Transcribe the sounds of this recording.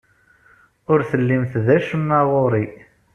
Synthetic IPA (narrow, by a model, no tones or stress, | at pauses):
ʊɾθəlːimθðæʃəmːæʁoɾˤi